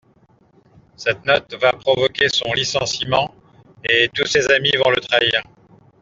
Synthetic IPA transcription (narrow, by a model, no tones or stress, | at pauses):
sɛt̪nɔt̪vapχɔvɔkʲesɔ̃lisɑ̃simɑ̃ | et̪usezamivɔ̃lət̪χaiːʁ